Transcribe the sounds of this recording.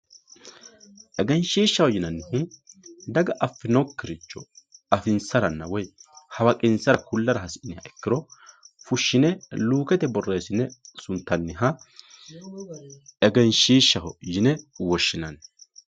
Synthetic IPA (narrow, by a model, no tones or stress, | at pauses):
ʔɛɡɛnʃiːʃːɐhɔjɪnɐnːɪhʊnd̪ɐɡɐʔɐfːɪnɔkːɪɾɪt͡ʃːɔɐfɪnsɐɾɐnːɐwɔjhɐwɐkʼɪnsɐɾɐkʊlːɐɾɐɦɐsɪnːɪhɐʔɛkːɪɾɔfʊʃːɪnɛluːkɛt̪ɛbɔrːe̞ːsɪnːɛsʊnt̪ːɐnːɪɦɐ | ɛɡɛnʃiːʃːɐhɔjɪnɛwɔʃːɪnɐn